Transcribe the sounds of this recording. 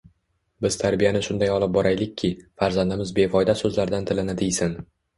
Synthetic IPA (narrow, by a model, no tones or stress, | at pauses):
bɪz̥t̪ʰaɾbijanɪʃʊnd̪ajɒlˠɪp̚bɒɾajlɪk̚ʲʰːɪfaɾzand̪ɪmɪzbe̞fɒjd̪asɵzlaɾd̪ant̪ʰɪlɪnɪd̪ijsɪn